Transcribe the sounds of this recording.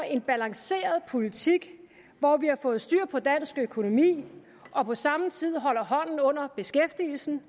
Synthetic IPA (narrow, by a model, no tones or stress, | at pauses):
e̝nb̥ælɑ̈ŋse̝̰ːɐð̞ˠpʰo̝lit͡sʰiɡ̥ | ʋɒʋihɑ̈fɔ̽ːð̞̩ˠsd̥yːɐ̰pʰɒ̽d̥æn̰sɡ̥økʰo̝no̝mḭː | ʔɒ̽pʰɒ̽sɑ̈mət͡sʰið̰ˠɦɒ̽l̰ɐɦɒ̽n̰n̩ɔ̽n̰ɐb̥e̝sɡ̥efd̥iːl̩sn̩